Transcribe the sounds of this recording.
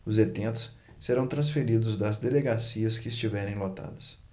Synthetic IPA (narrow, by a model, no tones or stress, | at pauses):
ʊzet̪ẽnt̪ʊ̥s | seɾɐ̃w̃t̪ɾɐ̃sfeɾid̪ʊzd̪ɐzd̪eleɡasiɐskɪɪst͡ʃivɛɾẽj̃lot̪a̰d̪ɐs